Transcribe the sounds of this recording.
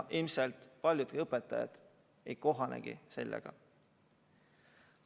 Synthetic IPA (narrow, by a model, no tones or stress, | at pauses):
ʔilmselt̪ˑpɑlʲjud̪ɤpːˑet̪ːˑɑjɑ̰d̪̥ | ejko̞ɦɑnḛɡ̥ḭse̞lːḛɡ̥ɑ̰